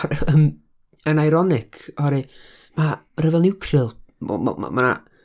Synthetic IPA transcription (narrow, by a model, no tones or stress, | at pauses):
əm | ənajɾɔnɪkʰɔɾi | ma | rəvɛlˠnɪwkʰrɨl̰ˠm̰mana̰